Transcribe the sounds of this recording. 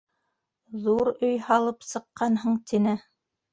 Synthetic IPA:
ðuɾɵjhɑlˠɤpsɤ̆qːɑnɦɤɴt̪ʰinɘ

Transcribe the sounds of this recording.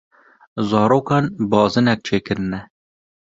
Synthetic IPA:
zɑːɾoːkɑːnbɑːzɨnɛk̚t͡ʃʰeːkɨɾɨnɛ

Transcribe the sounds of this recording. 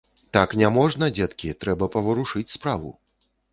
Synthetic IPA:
t̪aknʲamɔʐnɐd͡zʲɛt̪kʲit̪ɾɛbɐpɐvɐɾuʂɨt͡sʲspɾavṵ

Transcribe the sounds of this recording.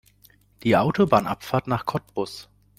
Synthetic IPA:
d̥iːʔaʊtʰobaːnʔa̰pfaːɐtnaːχkʰɔtb̥ʊs

